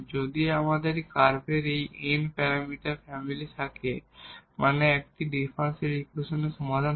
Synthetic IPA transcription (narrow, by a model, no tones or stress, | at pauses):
d͡ʑod̪iamad̪eɾkaɾbeɾejenpɛɾamiʈaɾfɛmilit̪ʰakemʔaneɛk̚ʈiɖifʰanseɾikɾoʃonesɔmad̪a